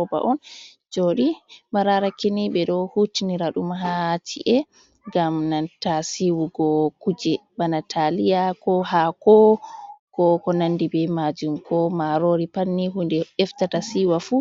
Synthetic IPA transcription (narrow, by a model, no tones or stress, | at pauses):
ɔba̰ʔɔn | d͡ʒoːɗimaɾaɾakinibɛɗɔhutiniɾaɗumaɦat͡ʃḭʔɛ | ɡamnantasiwuɡɔkud͡ʒɛbanatʰalijakɔɦakɔkɔkɔnandibɛmad͡ʒumkʰɔmaɾoɾipanːiɦundɛɛftatasiwafu